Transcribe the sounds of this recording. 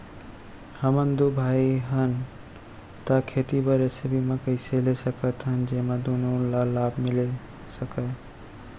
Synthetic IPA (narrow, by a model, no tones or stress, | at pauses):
həmənd̪ubʱaiɦən | t̪akʰet̪ibəɾesebʱimekəɪselesəkət̪ɦənd͡ʒemad̪onolalabʱmile | səkə